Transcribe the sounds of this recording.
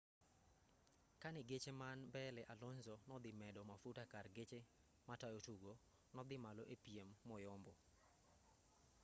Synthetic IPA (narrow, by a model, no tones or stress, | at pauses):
kanɪɡet͡ʃemanbɛlɛʔalɔnzɔnɔd̪ɪmɛdɔmafutakarɡet͡ʃe | matajotuɡo | nɔd̪ɪmalɔʔepiemːɔjɔmbɔ